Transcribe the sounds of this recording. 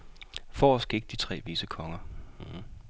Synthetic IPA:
fɒːsɡ̥e̝ɡ̥̚d̥it͡sʰʁɛ̰ːʋisəkʰɒ̽ŋɐ

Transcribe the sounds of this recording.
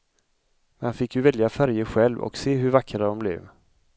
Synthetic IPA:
mɛnhanfɪkːjɵvɛljafæɾjəɧɛlvɔ̰kseːɦɵɾvakːɾad̪ɔmblɛ̰ːv

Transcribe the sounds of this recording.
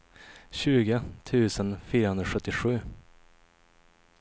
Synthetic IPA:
ɕʉ̟ːɡət̪ʰʉ̟ːsənfyːɾəhɵnd̪ɾɔɧɵt̪ːɪɧʉ̟ː

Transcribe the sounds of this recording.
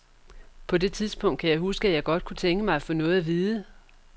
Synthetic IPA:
pʰɒ̽d̥e̝t͡sʰiðˠsb̥ʰɔ̽ŋ̰d̥̚kʰæjɑ̈ɪɦusɡ̥əæjɑ̈ɪɡ̥ɒ̽d̥̚kʰut͡sʰeŋɡ̥əmɑ̈ɪfɔ̽ːnɔ̽ːð̩ˠæʋiːðˠə

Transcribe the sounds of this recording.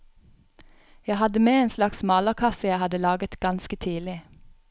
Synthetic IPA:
jæɪhɑd̪əmeːeːnslɑksmɑːləʁkʰɑsəjæɪhɑd̪əlɑːɡət̪ɡ̥ɑnskət̪ʰiːdlɪ

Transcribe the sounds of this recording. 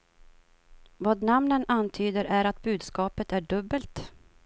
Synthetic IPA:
vɑːd̪namnənant̪ʰyːd̪əɾʔæɾat̪̚bʉ̟ːd̪skɑːpət̪æɖɵbːəlt̪

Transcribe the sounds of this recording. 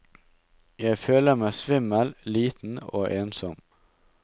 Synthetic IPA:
jæɪføːləmæːsʋɪməlliːt̪n̩o̰ːʔeːnsɔm

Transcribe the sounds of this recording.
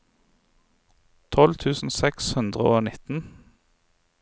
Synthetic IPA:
t̪ʰɔlt̪ʰʉːsn̩sɛkshʉnd̪ʁəoːnɪt̪n̩

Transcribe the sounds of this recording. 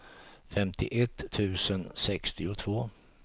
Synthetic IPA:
fɛmt̪ʰɪ̰ʔɛt̪ʰːʉ̟ːsənsɛkst̪ʰɪʊt̪ʰvoː

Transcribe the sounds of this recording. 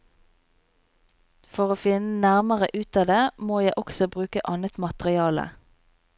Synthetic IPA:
fɔʁoːfɪnənæʁməʁəʔʉːt̪ɑːd̪eːmoːjæɪʔɔksɔbʁʉːkəʔɑnət̪mɑt̪əʁɪɑːlə̰

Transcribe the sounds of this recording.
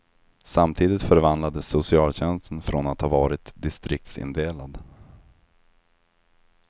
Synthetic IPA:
samt̪ʰiːd̪ɪt̪fœɾvand̪lad̪əsʊsɪɑːlɕɛnst̪ənfɾɔnat̪hɑvɑːɾɪt̪d̪ɪst̪ɾɪk̚t̪sɪ̰nd̪eːlad̪

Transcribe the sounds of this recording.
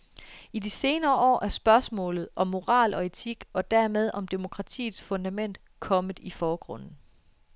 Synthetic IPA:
idise̝ːnɐːʔɒ̰ːʔæɐsb̥ɶɐsmɔ̰̽ːlð̞̩ˠʔɒ̽mːo̝ʁɑ̰̈ːlʔɒ̽e̝t͡sʰiɡ̥ɒ̽d̥æɐmeð̞ˠʔɒ̽md̥e̝mo̝kʰʁɑ̈t͡sʰḭːð̩ˠsfɔ̽nd̥æmen̰d̥ | kʰɒ̽məð̩ˠifɒːɡ̥ʁɔ̽n̰n̩

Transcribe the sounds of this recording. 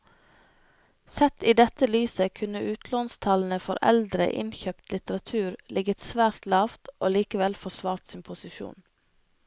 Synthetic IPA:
sɛt̪iːd̪ɛt̪əlyːsəkʰʉnəʔʉːt̪ʰloːnst̪ʰɑln̩əfɔɾʔɛ̰ld̪ɾə̰ʔɪ̰nçœpt̪lɪt̪əɾɑt̪ʰʉːɾlʔɪɡət̪sʋæːɾt̪lɑːft̪ʔoːliːkəʋɛlfɔsʋɑːɾt̪siːnpʰʊsɪʃṵːn

